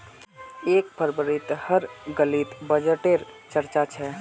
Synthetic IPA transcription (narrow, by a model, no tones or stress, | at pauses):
eːk̚pəɾbəɾit̪həɾɡəlit̪bəd͡ʒəʈeɾt͡ʃəɾt͡ʃat͡ʃʰɛ